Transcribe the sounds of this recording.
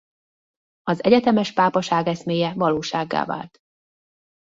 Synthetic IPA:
ɒzɛɟɛt̪ɛmɛʃpaːpɒʃaːɡɛsmeːjɛvɒloːʃaːɡːa̰ːva̰ːlt̪

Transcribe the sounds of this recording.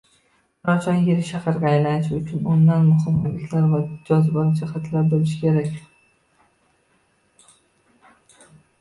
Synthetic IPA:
ɾɒt͡ʃʰɒnjeɾɪʃahɑɾɡʲaajlanɪʃʊt͡ʃʰʊnʊnd̪anmʊhɪmhʊbɪkʲʰlaɾvad͡ʒɒzbɒɾd͡ʒahat̪ʰlaɾbolɪʃkʲʰe̞ɾakʲ

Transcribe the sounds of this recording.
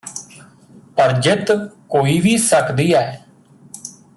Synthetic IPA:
pəɾd͡ʒɪt̪koːiːʋiːsəkd̪iːɛː

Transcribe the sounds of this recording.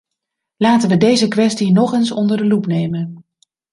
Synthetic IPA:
laːtənʋədejzəkʋɛstinɔχənsɔndəɹdəlupnejmən

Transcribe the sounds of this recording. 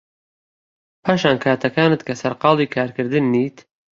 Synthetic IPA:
pʰaːʃaːnkʰaːt̪ʰɐkaːnɨt̪̚kʰɐsɐɾqɑːlˠiːkʰaːɾkɨɾd̪ɨnːiːt̪

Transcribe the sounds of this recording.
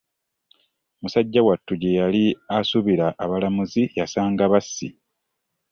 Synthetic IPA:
musaɟːawatːuɟejaliasuβiɾaʔːβalamuzijasaːŋɡaβasːḭ

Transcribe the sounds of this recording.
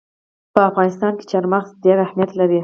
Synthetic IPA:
pəafɣɑnɪst̪ɑnke̥t͡ʃɑɾmaxzd̪jaɾahmijat̪laɾi

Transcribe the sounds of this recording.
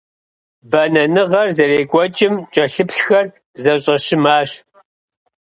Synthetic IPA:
bɐnɐnɨʁɐrzɐreːɡʷɔt͡ʃʼɪmt͡ʃʼɐɬɨpʰɬxɐr | zɐɕʼɐɕɪmaːɕ

